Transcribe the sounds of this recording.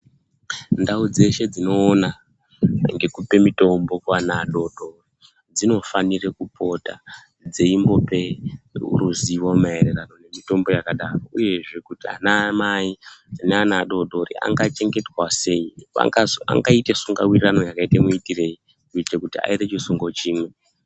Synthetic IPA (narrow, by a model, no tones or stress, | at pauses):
ndaud͡ze̞ʃe̞d͡zino̞ːna | ŋɡe̞kupe̞mito̞mbokwanaːɗo̞ɗo̞ri | d͡zino̞fanirekupʰo̞ta̰ | d͡ze̞imbo̞pe̞ṵɾuziʋomae̞ɾerano̞ne̞mito̞mbo̞jakaɗaro̞uje̞ʐe̞kutia̰namaineanaːɗo̞ɗo̞rḭa̰ŋɡat͡ʃe̞ŋɡe̞twase̞iʋa̰ŋaa̰ŋɡaitesuŋɡawirirano̞jakaitemuitire̞i | kuitekutia̰iɾet͡ʃisuŋɡo̞t͡ʃiːmwe̞